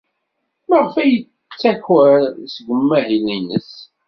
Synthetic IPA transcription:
məʁfæjə | t͡sːæçwæsɡʷəmːæɦilinəs

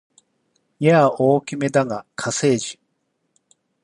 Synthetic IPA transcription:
jaoːkʲime̞d̪aɡakʰase̞ːʑi

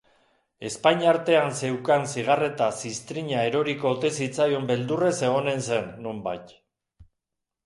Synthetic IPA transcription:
e̞spaɲaɾt̪e̞anse̞wkansiɣ̞are̞t̪asist̪ɾiɲae̞ɾo̞ɾikoːt̪e̞sit͡sajo̞mbe̞ld̪ure̞se̞ɣ̞o̞ne̞nse̞nːo̞mbajt̪

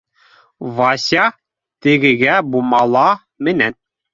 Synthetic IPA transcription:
vɑsʲɑ | t̪ɘ̆ɡɘ̆ɡæbumɑlˠɑ | mɘ̆næn

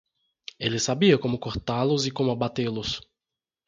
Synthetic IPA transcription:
elɪsabiɐkõmʊkoɾt̪alʊzɪkõmʊabat̪elʊs

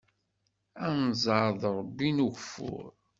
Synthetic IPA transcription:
ænzˤəɾðˤɾˤəbːinuɣfʊ̰ɾ

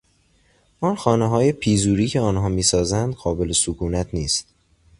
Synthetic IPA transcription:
ʔɒːnxɒːneɦɒːje̞pʰiːzuːɾiːcʰe̞ɒːnɦɒːmiːsɒːzænd̪ɢɒːbe̞le̞sokʰuːnæt̪ʰniːst̪

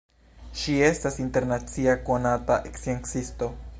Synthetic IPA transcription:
ʃie̞st̪asint̪eɾnat͡siakonat̪aʔeksieŋksist̪o

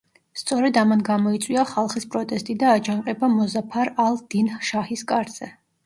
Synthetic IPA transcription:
st̪sʼɔɾɛd̪amanɡamɔit̪sʼwiaχalˠχispʼɾɔt̪ʼɛst̪ʼid̪aːd͡ʒaɴqʼɛbamɔzapʰaɾalˠd̪̥inʃahiskʼaɾz̥ɛ

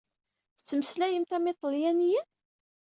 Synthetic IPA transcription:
θət͡sːəməslæjəmt̪æmɪt̪ˤːljænijən

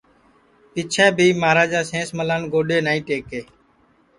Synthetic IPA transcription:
pɪt͡ʃʰɛ̃ːbʱiːmaːɾaːd͡ʒaːsẽːsməlaːnɡoːɗeːnaːĩːʈeːkeː

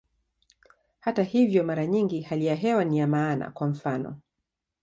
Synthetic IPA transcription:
hatahivjɔmaɾaɲiŋɡihalijaɦɛwanijamaːna̰kwam̩fanɔ̰

